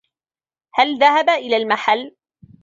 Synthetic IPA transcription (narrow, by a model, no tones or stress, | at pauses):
halðahabaʔɪlaːlmaħalː